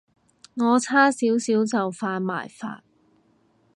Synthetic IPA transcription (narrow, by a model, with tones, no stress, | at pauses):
ŋɔː˨˧t͡sʰaː˥siː˨˥wsiː˨˥wt͡sɐ˨wfaː˧n̚ma̰ː˨˩jfa̰ː˧t̚